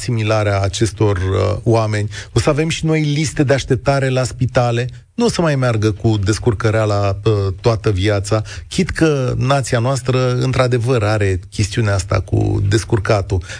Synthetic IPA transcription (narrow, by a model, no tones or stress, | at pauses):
similaɾeaːt͡ʃe̞st̪o̞rwame̞nʲosəave̞mʃino̞jlist̪e̞d̪e̞aʃt̪e̞p̚t̪aɾe̞laspit̪ale̞ | nusəmajmearɡəkud̪e̞skurkəɾealaət̪oat̪əviat̪sakʲʰid̪kənat̪sianoast̪ɾəɨnt̪ɾad̪e̞vəɾaɾe̞kʲe̞st̪iuneast̪a̰kṵd̪e̞skurkat̪u